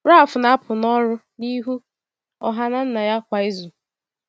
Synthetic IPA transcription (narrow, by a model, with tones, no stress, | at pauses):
ɾa˦a˨fʊ˨na˦a˦pʰʊ˨nɔ˦ɾʊ˦ | ni˦ɦu˦ | ɔ̰˨ɦa˦na˦n̩˦na˨ja˦kʷa˨ɪ˦zʊ˨